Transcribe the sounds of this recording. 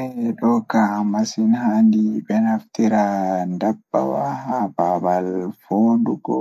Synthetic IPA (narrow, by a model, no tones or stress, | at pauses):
ɛɗɔkamasinɦandibɛnaft̪iɾandabːa̰wahababalfoːduɡɔ